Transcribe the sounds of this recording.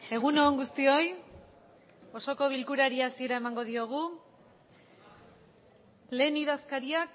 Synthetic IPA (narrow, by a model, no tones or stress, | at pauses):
e̞ɣ̞uno̞ːŋɡust̪io̞j | o̞so̞ko̞β̞ilkuɾaɾiasie̞ɾae̞maŋɡo̞ð̞io̞ɣ̞u | le̞ːniðaskaɾiak